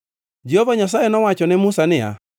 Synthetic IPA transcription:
d͡ʒɛhɔvaɲas̬aenɔwat͡ʃɔnɪmusanɪa̰

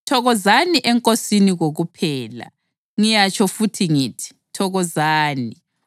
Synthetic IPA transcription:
tʰɔɣɔzaniʔɛŋkʼosiniɣoɣupʰɛːla̰ | ŋijat͡ʃʰʼɔfutʰiŋiːtʰi̥ | tʰɔɣɔzaːni

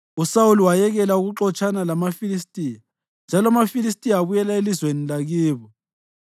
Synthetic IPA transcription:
usawuliwajɛɣɛlauɣuǁɔt͡ʃʼanalamafilistʼija | nd͡ʒʱalɔamafilis̬tʼijaaβujɛlaelizwenilaɣiːβɔ

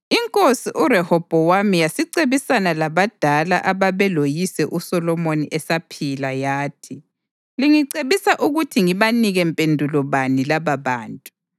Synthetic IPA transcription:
iŋkʼosiʔuɾɛhɔb̥ʱɔwamijasiǀeβisanalaβad̥ʱala̰ʔaβaβɛlojisɛʔusɔlɔmoniʔɛsapʰilajaːtʰi | liŋiǀeβisaʔuɣutʰiŋiβaniɣɛmpʼendʱulɔβanilaβaβaːntʼu̥

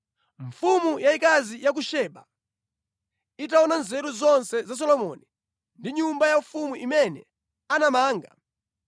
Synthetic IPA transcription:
ɱfumujaikazijak̬uʃɛɓa | itaɔnanzɛɾuzɔnsɛzas̬ɔlɔmɔ̰ni | ndiɲumbajafumuʔimɛnɛ | anamaːŋɡa̰

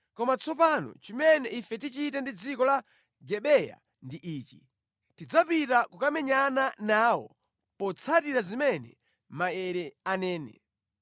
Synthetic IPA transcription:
kɔmat͡sʰɔpanɔ̰t͡ʃimɛnɛifɛtit͡ʃitɛndid͡zikɔla | ɡɛɓɛja̰ | ndiʔiːt͡ʃḭ | tid͡zapitakukamɛɲananaːwɔ̰ | pɔt͡sʰatiɾazimɛnɛ̰ | maɛɾɛanɛːnɛ̰

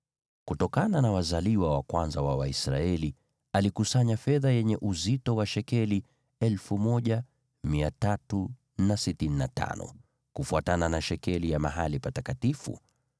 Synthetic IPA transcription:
kutɔkananawazaliwawakwanzawawaisɾaɛli | alikusaɲafɛðajɛɲɛʔuzitɔwaʃɛkɛli | ɛlfumɔʄa | miatatu | nasitininata̰nɔ̰ | kufuatananaʃɛkɛlijamaɦalipatakatifṵ

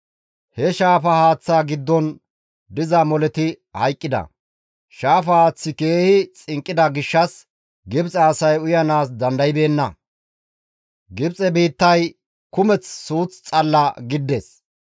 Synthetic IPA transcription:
hɛʃaːfɐhaːt͡sːaːɡɪd̪ːɔn | d̪ɪzɐmɔlɛt̪ɪ | hɐjkʼːɪd̪ɐ̰ | ʃaːfɐhaːt͡sːɪke̞ːhɪt͡sʼɪŋkʼːɪd̪ɐɡɪʃːɐs | ɡɪbt͡sʼɛːsɐjʊjɐnaːsd̪ɐnd̪ɐjɪbe̞ːnːɐ | ɡɪbt͡sʼɛbiːt̪ːɐj | kʊmɛt͡ssuːt͡st͡sʼɐlːɐɡɪd̪ːeːs

